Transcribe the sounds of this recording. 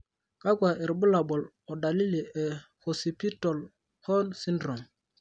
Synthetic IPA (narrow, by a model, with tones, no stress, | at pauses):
ka˦ɡʷa˨ʔɛ˨ɾbu˦la˨ɓɔ˨l | ɔ˨da˨li˦li˨ɛ˨ | ho˨si˨pi˦tɔ˨l | hɔ˦nsi˦ndɾɔ˨ŋ